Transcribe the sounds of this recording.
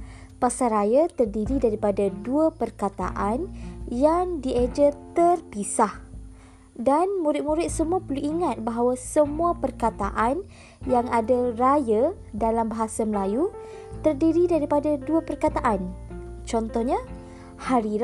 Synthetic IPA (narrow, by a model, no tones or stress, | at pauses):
pasarajat̪ərdiɾidaɾipadaduapərkat̪a̰ʔanjaŋdied͡ʒət̪ərpisah | danmũɾɪt̪̚mũɾɪt̪̚səmuapərluʔiŋat̪̚baɦawasəmũapərkat̪a̰ʔan | jaŋadaraja | dalambaɦasaməlaju | t̪ərdiɾidaɾipadaduapərkat̪aʔant͡ʃɔnt̪ɔhɲa | haɾi